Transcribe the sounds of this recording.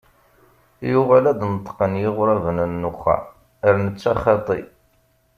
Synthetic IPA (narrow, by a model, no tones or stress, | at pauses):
jʊʁalæd̪nət̪ˤːqənjɪʁʊɾævənənːʊχæ̰ | əɾnət͡sːaχɑt̪ˤḭ